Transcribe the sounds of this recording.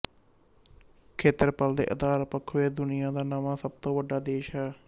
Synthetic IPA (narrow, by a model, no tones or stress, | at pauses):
kʰeːt̪əɾpəld̪ḛːʔəd̪aːɾpəkʰʋeːd̪ʊnɪjãːd̪aːnəʋaːsəb̚t̪õːʋəɖaːd̪eːʃɦɛː